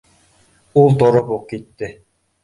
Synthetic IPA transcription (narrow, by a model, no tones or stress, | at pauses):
ulˠt̪ɔɾɔbuq̚kit̪ːɪ